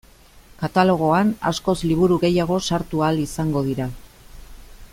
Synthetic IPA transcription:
kat̪alo̞ɣ̞o̞ana̰sko̞zliβ̞uɾuɣe̞jaɣ̞o̞saɾt̪ualisaŋɡo̞ðiɾa

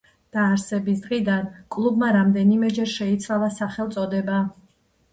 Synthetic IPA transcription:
d̪̥aːɾsɛbisd̪ʁid̪ankʼlˠubmaɾamd̪ɛnimɛd͡ʒɛɾʃɛit̪sʰlavasaχɛlt̪sʼɔd̪ɛba

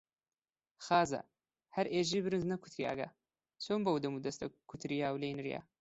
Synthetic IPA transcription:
xaːzɐ̰ | hɐɾʔeːʒibɨɾɨnznɐkʰu̥t̪ʰɾia̰ːɡɐ̰ | sʰoːmbɐwd̪ɐmud̪ɐst̪ɐ̰kʰːut̪ʰɾijaːwleːnɾija̰

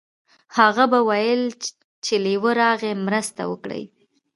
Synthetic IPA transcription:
haɣabawajəl | t͡ʃelajwəɾɑɣemɾəst̪a̰wə̰kɽə̰j

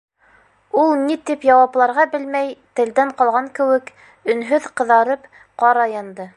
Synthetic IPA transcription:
ulˠnit̪ipjɑwɑplˠɑɾʁɑbɘlmæjt̪ɘ̆ld̪æɴqɑlˠʁɑŋkɘ̆wɘk | ɵ̆nɦɵðqɤ̆ðɑɾɤp | qɑɾɑjɑnd̪ɤ

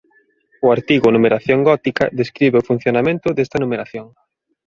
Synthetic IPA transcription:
ʊaɾt̪iɣʊnumeɾaθjoŋɡɔt̪ikɐ̰ðeskɾiβeʊfun̟θjonamẽnt̪ʊd̪est̪ɐnumeɾaθjoŋ

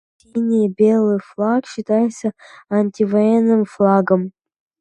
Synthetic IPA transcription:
sʲinʲibʲe̞lˠɨjflˠakɕɪt̪ajɪt̪səɐnʲtʲivɐjenːɨmflˠaɡəm

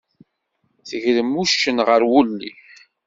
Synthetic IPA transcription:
θəʝləmːuʃːənʁəɾwulːḭ

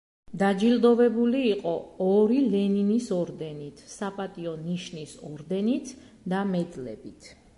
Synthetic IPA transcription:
d̪ad͡ʒild̪ɔvɛbuliːqʼɔɔɾilɛninisɔɾd̪ɛnit̪ʰsapʼat̪ʼiɔniʃnisɔɾd̪ɛnit̪ʰ | d̪amɛd̪lɛ̰bit̪ʰ

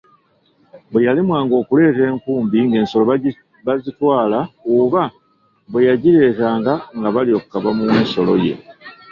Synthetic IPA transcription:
bwe̞jalimwaːŋɡo̞ːkule̞ːte̞ːŋkuːmbiŋɡe̞ːnso̞lo | βazitwaːlaoβa | βwe̞jaɟiɾe̞ːtaːŋɡaŋɡaβalio̞kukaβamuweːnso̞lo̞̰je̞̰

